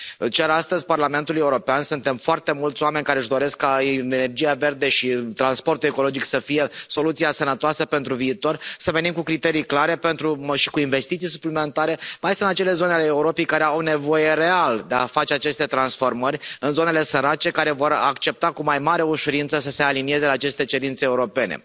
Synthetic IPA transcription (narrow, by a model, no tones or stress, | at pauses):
t͡ʃʲaɾast̪əzʲparlame̞nt̪uluje̞uɾo̞peansunt̪e̞mfoart̪e̞mult̪soame̞nʲkaɾeʒd̪o̞ɾe̞skːaene̞rd͡ʒijave̞rd̪e̞ʃit̪ɾanspo̞rt̪ue̞ko̞lo̞d͡ʒiksəfije̞so̞lut̪siasənət̪oasəpe̞nt̪ɾuviːt̪o̞rsəve̞nimkukɾit̪e̞ɾijklaɾe̞pe̞nt̪ɾuʃi̥kuinve̞st̪it̪sijsuplime̞nt̪aɾe̞majsɨnt̪at͡ʃele̞zo̞nealeːuɾo̞pejkaɾe̞awne̞vo̞je̞re̞ald̪eafat͡ʃe̞at͡ʃe̞st̪e̞t̪ɾansfo̞rmərʲɨnzo̞ne̞le̞səɾat͡ʃe̞kaɾe̞vo̞ɾa̰kt͡ʃe̞p̚t̪akumajmaɾeuʃuɾint̪səsəse̞alinie̞ze̞laːt͡ʃe̞st̪e̞t͡ʃe̞ɾint̪seeuɾo̞pe̞nḛ